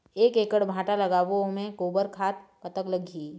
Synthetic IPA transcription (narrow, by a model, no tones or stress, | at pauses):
eːkeːkəɽbʱãːʈalɐɡaːʋomẽkoːbəɾkʰaːt̪kɐt̪əkləɡʱiː